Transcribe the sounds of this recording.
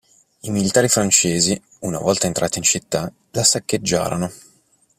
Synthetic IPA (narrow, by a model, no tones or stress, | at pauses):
imilit̪aːɾifɾant͡ʃeːzi | una̰vɔlt̪aent̪ɾa̰ːt̪int͡ʃit̪ːa | lasakːed͡ʒːa̰ːɾono